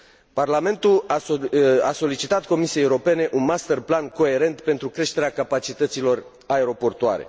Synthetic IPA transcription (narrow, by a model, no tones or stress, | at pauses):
parlame̞nt̪ul | aso̞lit͡ʃit̪at̪̚ko̞misiejeuɾo̞pe̞ne̞ʔunmast̪erplanko̞e̞ɾe̞nt̪pe̞nt̪ɾukɾe̞ʃt̪e̞ɾeakapat͡ʃit̪ət̪silo̞r | aeɾo̞po̞rt̪ua̰ɾe̞̰